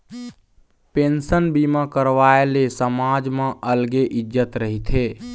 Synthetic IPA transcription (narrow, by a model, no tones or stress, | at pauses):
pensənbimakəɾʋaelesəmad͡ʒmẽʔəlɡeʔid͡ʒət̪ɾəɦit̪ʰe